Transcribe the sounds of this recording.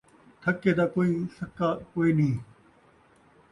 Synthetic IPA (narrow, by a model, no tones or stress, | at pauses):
t̪ʰɐkːed̪aːkoːiːsɐkːakoːiːnĩː